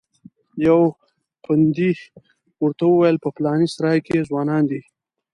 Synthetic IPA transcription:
jaw | qʊnd̪i | wəɾt̪awəwajəlpəplɑːnisaɾɑjkezwɑːnɑːnd̪i

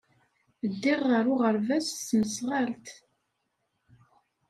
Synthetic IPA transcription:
əd̪ːiʁːəɾʊʁəɾvæssməsʁalt̪

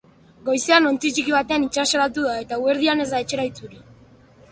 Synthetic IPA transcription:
ɡo̞jse̞ano̞nt͡sit͡ʃikiβat̪e̞anit͡ʃaselat̪uðae̞t̪aue̞ɾð̞iane̞zd̪aet͡ʃe̞ɾajt͡suɾi

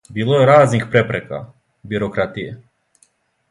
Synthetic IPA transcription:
biːlˠojeɾaːznixpɾepɾeka̰ | biɾokɾat̪ije

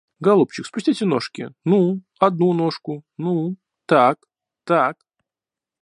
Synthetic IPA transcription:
ɡɐlˠupt͡ɕɪkspʊsʲtʲitʲɪnoʂkʲɪ̰nu | ɐd̪̚nuno̞ʂkʊnu | t̪ak | t̪ak

